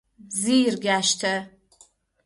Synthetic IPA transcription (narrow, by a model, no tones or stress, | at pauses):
ziːrɡʲaːʃtʰɐ